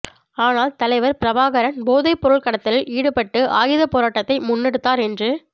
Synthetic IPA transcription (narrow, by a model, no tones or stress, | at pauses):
aːnaːlt̪ɐlɐɪʋɐɾpɪɾɐʋaːɣɐɾɐnboːðɐɪpːɔɾɯɭkɐɽɐt̪ːɪlɪliːɽɯpɐʈːɯʔaːjɪðɐpoːɾaːʈːɐt̪ːɐɪmʊnːɛɽɯt̪ːaːɾɛndrɯ